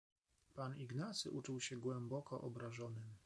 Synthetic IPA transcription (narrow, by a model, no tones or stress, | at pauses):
paniɡnat̪sɘ̰ʔut͡ʂuwɕɛɡwɛmbɔkɔʔɔbɾaʐɔnɘm